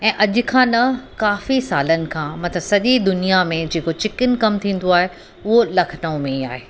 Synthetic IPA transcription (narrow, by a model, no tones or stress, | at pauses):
ɛ̃ːʔɐʄʊ̆kʰãːnɐkaːfisaːlənɪ̆kʰãːmɐt̪ʰəsɐʄid̪ʊnijamẽd͡ʑeːkot͡ɕɪkənkɐmt̪ʰĩːn̆d̪oaːɦe | ʊɦolɐkʰənəʊ̃mẽia̰ːɦeː